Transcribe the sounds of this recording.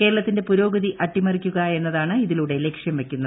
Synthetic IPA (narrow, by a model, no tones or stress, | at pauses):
ke̞ːɾɐɭɐt̪ːindepuɾo̞ːɡɐðiʔɐʈːimɐrikʲːuɣɐe̞nːɐðaːɳɨiðiluɽe̞lekʂjɐmʋe̞kʲːunːɐð